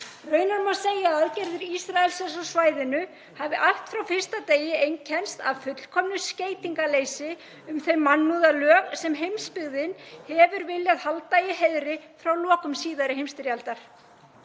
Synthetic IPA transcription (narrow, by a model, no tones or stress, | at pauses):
rœːɥnaɾmaseːjaaðcɛɾðɪɾisɾaɛlsɛs̬ɔsvaːjðɪnʏ | havɪʔaht̪fɾawfɪr̥st̪at̪eːjɪejncʰɛnst̪avfʏt̪l̥kʰɔmnʏsceːjt̪iŋkaleːjsɪ | ʏmθeɥmanːuðalœːɣsɛmɦejmspɪɣðɪnhɛvʏɾvɪljaðhalt̪ajɪɦeðɾɪfɾawlɔːkʏmsiːðaɾɪhejmst̪ɪɾjalt̪aɾ̥